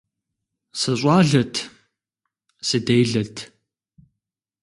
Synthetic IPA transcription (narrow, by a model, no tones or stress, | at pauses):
sɨɕʷʼɑːɮɐtʰ | sɨdejɮɐtʰ